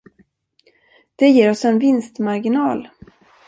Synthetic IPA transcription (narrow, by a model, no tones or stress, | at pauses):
d̪̥ɛjeːɾɔsɛnvɪnst̪maɾɡɪnɑːl